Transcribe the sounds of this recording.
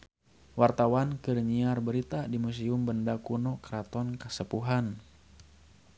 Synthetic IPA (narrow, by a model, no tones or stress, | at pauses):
wart̪awankɨrɲiarbəɾit̪adimus̬iumbəndakunɔkɾat̪ɔnkəsəpuɦan